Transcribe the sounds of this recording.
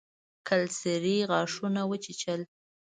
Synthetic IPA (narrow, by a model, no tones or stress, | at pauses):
kʰalsɪɾiɣɑʂunawət͡ʃit͡ʃəl